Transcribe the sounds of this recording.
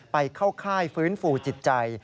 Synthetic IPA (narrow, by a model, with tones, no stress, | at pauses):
pa˧jkʰa˥˩wkʰaː˥˩jfɯː˦˥nfuː˧t͡ɕi˨˩t̪̚t͡ɕa˧j